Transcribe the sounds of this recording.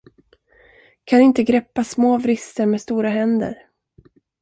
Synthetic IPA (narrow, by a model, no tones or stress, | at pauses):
kʰanɪnt̪əɡɾɛpːasmoːvɾɪst̪əɾmeːst̪uːɾaɦɛnd̪ə̰ɾ